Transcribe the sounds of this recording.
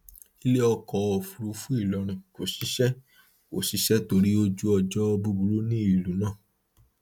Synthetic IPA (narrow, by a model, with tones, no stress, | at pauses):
i˦le˦ɔ˧kɔ˨˦o˨fu˨ɾu˨˧fu˦i˦˨lɔ˨˧ɾ̃ĩ˨ko˨si˨˦ʃɛ˦ | ko˨ʃi˨˦ʃɛ˦to˧ɾi˦o˧d͡ʒu˦ɔ˧d͡ʒɔ˦˧bu˧bu˧ɾo˦nĩ˦i˦˨lu˨˦nãː˦˨